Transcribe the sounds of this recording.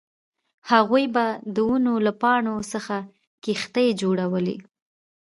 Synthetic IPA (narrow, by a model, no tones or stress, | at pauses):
haɣujbad̪əunolapɑɳosəxa | kixt̪əjd͡ʒoɽawəlḭ